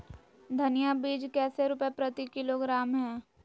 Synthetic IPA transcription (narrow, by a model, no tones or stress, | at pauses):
d̪ʱɐnɪjabiːd͡ʒkɛːseɾʊpjepɾɐt̪ikɪloɡɾaːmɦɛː